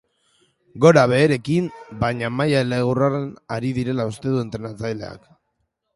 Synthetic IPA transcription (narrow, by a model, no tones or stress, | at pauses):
ɡo̞ɾaβe̞ːɾe̞kimbaɲamajaele̞ɣuraɾenaɾiðiɾe̞laust̪e̞ðue̞nt̪ɾe̞nat͡sajle̞̰a̰k